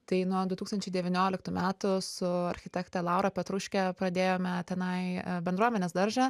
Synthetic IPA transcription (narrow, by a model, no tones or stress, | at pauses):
t̪ɐɪnuɔd̪ʊt̪uːkst̪ɐnʲt͡ʃʲɛɪd̪ʲɛʋʲɪnʲoːlʲɪkt̪uːmʲæːt̪ʊsʊɐɾʲxʲɪt̪ʲɛkt̪ʲɛlˠɐʊɾɐpʲɛt̪ɾʊʃʲkʲɛpɾɐd̪ʲeːjoːmʲɛt̪ʲɛnɐɪbʲɛnd̪ɾuɔmʲɛnʲeːsd̪ɐɾʒɐ